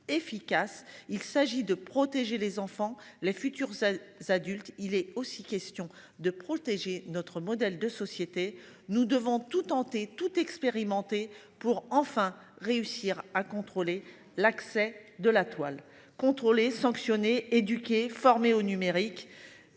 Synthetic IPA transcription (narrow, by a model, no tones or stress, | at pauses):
efikʲasilsaʒid̪əpχɔt̪eʒelezɑ̃fɑ̃lefyt̪yʁzzad̪ylt̪ilɛosikʲɛst̪jɔ̃ | d̪əpχɔt̪eʒenɔt̪χəmɔd̪ɛld̪əsɔsjet̪e | nud̪əvɔ̃t̪ut̪ɑ̃t̪et̪ut̪ɛkspeʁimɑ̃t̪e | puʁɑ̃fɛ̃ | ʁeysiʁakɔ̃t̪χole | laksɛd̪əlat̪wal | kɔ̃t̪χolesɑ̃ksjɔneed̪ykʲefɔʁmeonymeʁik